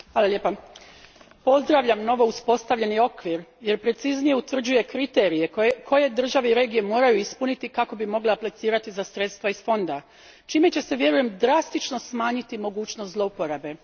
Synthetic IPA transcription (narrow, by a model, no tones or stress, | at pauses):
haːlˠaljepa | po̞zd̪ɾaʋʎamno̞ʋo̞uspo̞st̪aʋʎe̞nio̞kʋiɾje̞ɾpɾe̞t̪siznije̞ut̪vr̩d͡ʑuje̞kɾit̪eːɾije̞kʰo̞je̞d̪r̩ʒaʋeiɾe̞ːɡije̞mo̞ːɾajuispunit̪ikako̞bimo̞ɡleaplit̪siːɾat̪izasɾe̞t̪st̪ʋaisfo̞nd̪a | t͡ʃiːme̞t͡ɕe̞se̞ʋje̞ɾuje̞md̪ɾast̪it͡ʃno̞smaːɲit̪imo̞ɡuːt͡ɕnoszlˠo̞upo̞ɾabe̞